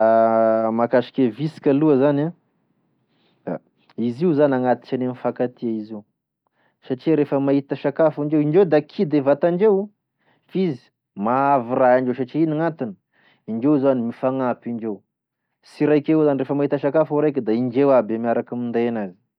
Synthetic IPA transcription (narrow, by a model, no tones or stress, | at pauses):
makaʃi̥kʲevisi̥kʲaluəzana | d̪̥a̰ | iziuzanaŋat̪i̥t͡ʃanemifakat̪iaiziu | saʈ͡ʂiɾefəmait̪əʃakafiɳd͡ʒewiɳd͡ʒewd̪akʰid̪evat̪aɳd͡ʒew | fizi̥ | maaviraaɳɖ͡ʐews̬aʈ͡ʂiiniŋat̪inə | iɳd͡ʒewzanimifaŋapiɳd͡ʒew | siɾajkeezanirefəmaɦit̪əʃakafauɾajk̬ʲəd̪aiɳd͡ʒewabemiaɾakamind̪aanazi̥